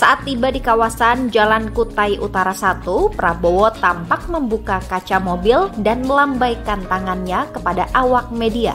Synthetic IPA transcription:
saʔat̪ːibadikawasand͡ʒalankut̪ajʔut̪aɾasat̪upəɾabowɔt̪ampak̚məmbukakat͡ʃamobɪldanməlambajkant̪aŋanɲakəpadaʔawak̚media̰

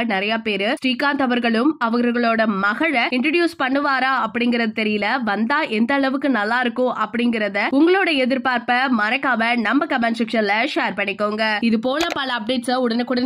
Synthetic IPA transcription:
nɪɾɐjaːpeːɾɯsʈiːkaːnt̪ɐʋɐɾɣɐɭɯmɐʋɐɣɾɐɾɣɐɭoːɽɐmɐɣɐɻɐɪɳʈɾɐɖjuːspɐɳːɯʋaːɾaːɐpːɐɽɪŋɡɪɾɐðɐt̪ɛɾɪjɪlɐʋɐnd̪aːʔɛnd̪ɐːɭɐʋɯkːɯnɐlːãːɪɾɯkːõːʔɐpːɐɽɪŋɡɪɾɐðɐʊŋɡɐɭoːɽɐɛðɪɾpaːɾpɐmɐɾɐkːaːmɐnɐmbɐkɐmɐnsɪkʂɐnlɐʂeːɾpɐɳːɪkːoːŋɡɐɪðɯpoːnɐpɐlɐːp̚ɖeːʈsɐʊɽɐnekʊɽɐn

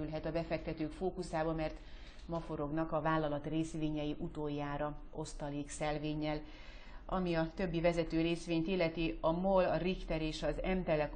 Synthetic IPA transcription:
ylɦɛt̪ɒbɛfɛk̚t̪ɛt̪øːkfoːkusaːbɒmɛrt̪ | mɒfo̞ɾo̞ɡnɒkɒvaːlːɒlɒt̪reːsʋeːɲɛjiʔut̪oːjːaːɾɒo̞st̪ɒleːksɛlveːɲːɛl | ʔɒmiɒt̪ø̞bːivɛzɛt̪øːɾeːsʋeːɲt̪ilːɛt̪iɒmolɒrikt̪ɛɾeːʃɒzɛmt̪ɛlɛk

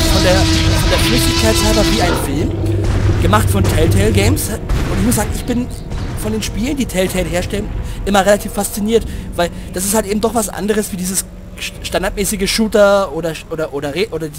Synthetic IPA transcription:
fɔndeːɐɔfɔndeːɐʃmɪkɪçkʰaɪtsaɪbɐviːaɪnənfɪlmɡ̥əmaχtfɔntʰɛɪltʰɛɪlɡɛɪmsʔʊntɪçmʊs̬zaːɡŋ̩ɪçb̥ɪn | fɔndeːnʃpiːləndiːtʰɛɪltʰɛɪlɦeːɐʃtɛlənʔɪmɐʁelatʰiːfːast͡siniːɐtvaɪld̥as̬ɪsthaltʔeːbm̩dɔχv̥asʔa̰ndəʁəsv̥iːdiːzəs | ʃtandaːɐtmɛːsɪɡəʃuːtɐoːdɐʔoːɾɐʔoːɾɐʁeʔoːdɐdi

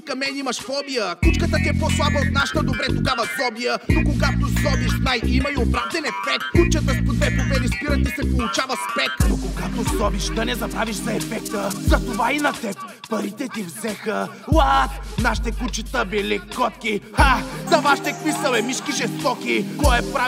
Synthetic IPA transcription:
kɐmɛnimɐʃfɔbijəkut͡ʃkət̪ət̪iɛpɔslˠabɐot̪̚naʃə̥t̪əd̪obɾɛt̪oɡavɐzɔbijənokoɡat̪osɔbiʃnajʔimɐiop̪ɾavd̪ɛnɛt̪fɛk̚t̪kːut͡ʃət̪əspod̪vɛpovɛnispiɾɐt̪isɛpolˠʊt͡ʃavɐspɛknokoɡat̪osɔbiʃd̪ɐnɛzɐbɾaviʃzɐɛfɛkt̪əzɐt̪ovainɐt̪ɛppɐɾit̪ɛt̪ivzɛxə | lˠat̪naʃi̥t̪ɛkut͡ʃit̪əbɛlikɔt̪kʲixazɐvaʃit̪ɛkvisəlɛmiʃkiʒɛst̪ɔkikɔɛpɾa

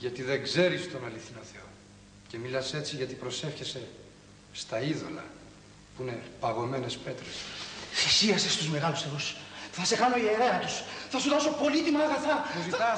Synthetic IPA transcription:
ʝɐt̪iðe̞ɡze̞ɾist̪o̞nɐliθinoθe̞o̞ | ce̞milɐse̞t͡siʝɐt̪ipɾo̞se̞fçe̞se̞ | st̪ɐiðo̞̰lɐ̰ | puine̞pɐɣo̞me̞ne̞spe̞t̪ɾesfisiɐsest̪uzme̞ɣɐlusθeɣosθɐse̞xɐno̞ieɾe̞ɐt̪usθɐzuðɐso̞po̞lit̪imɐːɣɐθɐzi

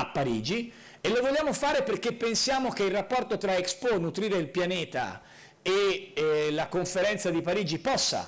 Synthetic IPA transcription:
apːaɾiːd͡ʒi | elːovoljːaːmofaːɾeperk̟epːensjaːmok̟eilrːapːɔrt̪ot̪ɾaeksponut̪ɾiːɾeilpjanɛːt̪a̰ | e | lakoɱfeɾɛnt̪sad̪ipaɾiːd͡ʒipɔsːa̰

